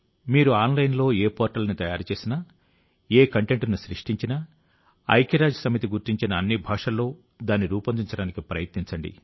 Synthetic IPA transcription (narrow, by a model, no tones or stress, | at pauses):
miːɾuaːnlɐjnlo̞ːeːpɔːɾʈɐlɐnit̪ɐjaːɾt͡ʃe̞ːsinɐ | eːkɐɳʈe̞ɳʈnuʃɾiʂʈiɲt͡ʃinɐ | ɐ̰jkiɾaːd͡ʒɐsɐmit̪iɡuɾt̪iɲt͡ʃinɐːnːibʱaːʂɐlːo̞ː | d̪aːniɾuːpɐnd̪iɲt͡ʃɐɽaːnikipɾɐjɐt̪niɲt͡ʃɐɳɖḭ